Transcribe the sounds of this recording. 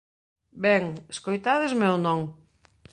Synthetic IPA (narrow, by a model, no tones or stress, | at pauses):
bɛŋeskojt̪aðezmewnɔ̃ŋ